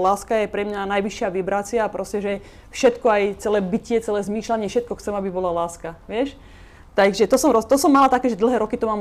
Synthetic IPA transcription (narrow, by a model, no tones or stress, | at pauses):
laːskajɛpɾɛmɲanajʋiʃɪaʋibɾat͡sɪapɾɔscɛʒɛ | fʃɛt̪kɔajt͡sɛlɛːbicɪɛt͡sɛlɛːzmiːʃlaɲɪɛfʃɛt̪̚kɔxt͡sɛmabibɔlalaːskaʋɪɛʃ | t̪aɡʒɛt̪ɔsɔmɾɔt̪ɔsɔmːalat̪akɛːʒɛd̪l̩ˠɦɛːɾɔkit̪ɔmaːm